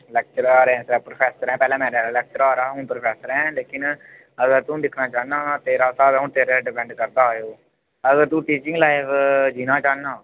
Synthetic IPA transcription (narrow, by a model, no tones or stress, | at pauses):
lɛːk̚t͡ʃəɾaːɾɛ̃ːsapɾopʰɛːsəɾɦɛ̃ːpɛːlɛ̃ːmɛ̃ːɾlɛːk̚t͡ʃəɾaːɾaːɦʊːnpɾopʰɛːsəɾɛ̃ːleːkɪn | əɡəɾt̪ũːlɪkʰnaːt͡ʃaːnaːt̪eːɾaːsaːbɛũːt̪eːɾeːɖɪpɛ̃ːɳɖkəɾd̪aːjoː | əɡəɾt̪ũːʈiːt͡ʃɪ̃ŋɡlaːɪfd͡ʒiːnaːt͡ʃaːnaː